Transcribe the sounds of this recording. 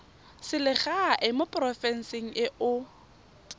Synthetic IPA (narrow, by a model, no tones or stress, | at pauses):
sɪlɪχaaʔɪmʊpʼrɔfɛn̩sɪŋ̩ʔɪʔʊ